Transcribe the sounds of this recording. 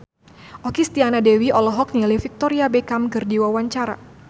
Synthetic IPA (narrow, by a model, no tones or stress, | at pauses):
ʔɔkist̪ianadɛwiʔɔlɔɦɔk̚nilifik̚t̪ɔɾiabɛkamkɨrdiwawaɲt͡ʃaɾa